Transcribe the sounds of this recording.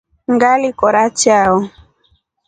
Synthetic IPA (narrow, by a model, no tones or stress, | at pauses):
ŋɡalikɔɾat͡ʃaɔ